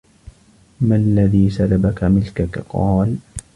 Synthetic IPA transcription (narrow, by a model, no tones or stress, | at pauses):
malːaðiːsalabakamɪlkakqɑːl